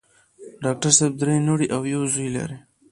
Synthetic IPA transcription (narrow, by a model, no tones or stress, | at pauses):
ɖɑk̚ʈaɾseb̚d̪ɾenoɽiʔawjawzujla̰ɾi